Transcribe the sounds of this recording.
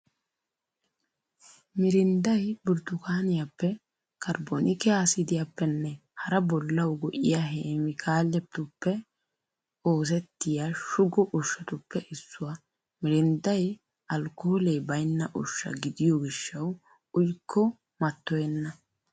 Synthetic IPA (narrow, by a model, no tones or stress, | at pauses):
mɪɾɪnd̪ɐjbʊɾt̪ʊkaːnɪjapːɛ | kɐɾbonɪkɛaːsɪd̪ɪjapːɛnːɛhɐɾɐbɔlːɐwɡɔʔɪjaɦeːmɪkʰaːlːɛt̪ːʊpːɛ | o̞ːs̬ɛt̪ːɪjaʃʊɡɔʔʊʃːɐt̪ʊpːɛʔɪsːʊwa | mɪɾɪnd̪ɐj | ɐlkːoːlejbɐjnːɐʔʊʃːɐ̰ɡɪd̪ɪjɔɡɪʃːɐw | ʊjkʰːɔ | mɐt̪ːɔjɛnːɐ